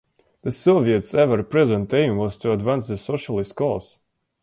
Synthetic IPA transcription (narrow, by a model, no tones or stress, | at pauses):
ðəsɔviɨtsɛvəɹpɹɛzə̃ntẽɪ̃mwɔz̥tʰuədvæ̃nsðəsoʃəlˠɪst̚kʰɔs